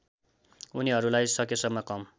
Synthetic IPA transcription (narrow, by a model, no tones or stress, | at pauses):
uniɦʌɾulajsʌkjesʌmːʌkʌm